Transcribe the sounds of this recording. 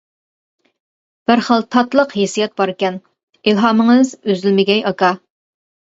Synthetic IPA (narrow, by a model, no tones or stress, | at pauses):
b̥ɪɾχəlˠt̪ʰɑt̪lˠəqhesijɛt̪̚bɑɾɪkʲɛn | ilɦɑməŋɨzøzɪlmɪɡʲɛjɑkɑ